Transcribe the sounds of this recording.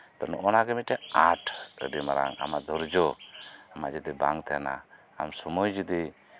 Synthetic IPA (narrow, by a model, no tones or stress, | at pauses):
t̪ɔnɔʔɔnaɡɛmiʈɛatɾə̰dimaɾa̰ŋa̰mad̪ɔɾd͡ʒɔamad͡ʒɛd̪iba̰ŋt̪ʰɛna̰ː | msɔmɔjd͡ʒud̪i